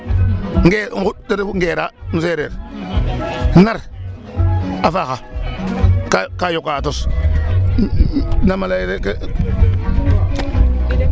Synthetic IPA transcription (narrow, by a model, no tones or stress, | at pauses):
ŋɡeŋɡudeɾŋɡeːɾanuseɾḛɾ | naɾ | afaxa | kakajokatos | namalaɾek